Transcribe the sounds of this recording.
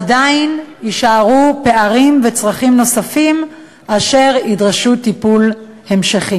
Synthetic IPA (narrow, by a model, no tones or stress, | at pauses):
adainiʃaʁupe̞aʁimve̞t͡sʁaχimno̞safim | aʃe̞ʁidʁeʃutipulhe̞mʃaχi